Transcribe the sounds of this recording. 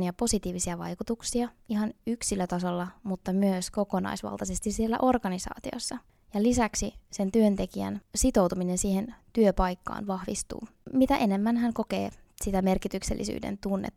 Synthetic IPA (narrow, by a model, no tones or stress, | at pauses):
nijɑpo̞sit̪iːʋisiɑʋɑ̰jkut̪uksiɑiɦɑnyksilːøt̪ɑso̞lːɑmut̪ːɑmyøsko̞ko̞nɑ̰jsʋɑ̰lt̪ɑsest̪issielːæ̰ʔo̞rɡ̥ɑnisɑ̰ːt̪io̞̰sːɑ | jɑlisæksise̞nt̪yønt̪e̞kiæ̰nsit̪o̞wt̪uminensiːhent̪yøpɑjkːɑ̰ːnʋɑhʋḭst̪ṵː | mit̪æʔene̞mːænɦæŋko̞kḛː | sit̪æme̞rkit̪ykselːḭsy̰ːdḛnt̪unːḛt̪ː